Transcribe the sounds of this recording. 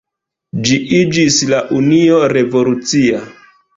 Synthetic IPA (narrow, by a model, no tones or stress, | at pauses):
d͡ʒiʔid͡ʒislaʔunio̞ɾe̞vo̞lut͡sia